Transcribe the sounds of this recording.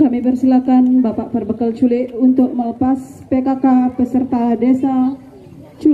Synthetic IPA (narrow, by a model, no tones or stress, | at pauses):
kamibərsilakanbapaʔpərbəkəlt͡ʃulɪʔ̪unt̪ʊk̚mələpaspekakapəsərt̪adesa | t͡ʃu